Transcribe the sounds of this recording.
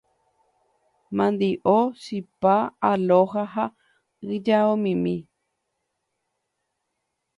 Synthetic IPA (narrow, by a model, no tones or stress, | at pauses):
mãnd̪iʔosipaaloɦaɦa | ɨd͡ʒaomĩmĩ